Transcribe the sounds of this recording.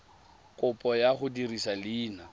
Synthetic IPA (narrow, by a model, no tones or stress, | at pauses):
kʼʊpʼɔjaχʊdirisaliːna